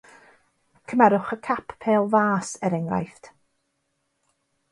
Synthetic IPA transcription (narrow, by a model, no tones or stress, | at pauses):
kʰəmɛɾʊχəkʰapʰpʰeːlˠvaːsɛɾɛŋra̰jft